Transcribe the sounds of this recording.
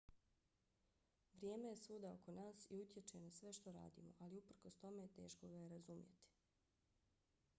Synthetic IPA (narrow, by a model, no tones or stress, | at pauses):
ʋɾje̞ːme̞je̞suːd̪ao̞̰ko̞naːsiut̪je̞t͡ʃejenasʋe̞ʃt̪o̞ɾa̰ːd̪ḭːmo̞̰ʔaliupr̩kost̪o̞me̞jet̪e̞̰ːʃkoɡajeɾazumjḛt̪i̥